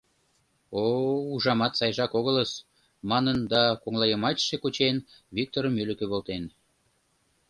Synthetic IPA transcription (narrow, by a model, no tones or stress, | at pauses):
ouʒɑmɑt̪sɑjʒɑkoɣələs | mɑnənd̪ɑkoŋlɑjəmɑt͡ɕʃekot͡ɕen | vik̚t̪oɾəmølə̆køβolt̪en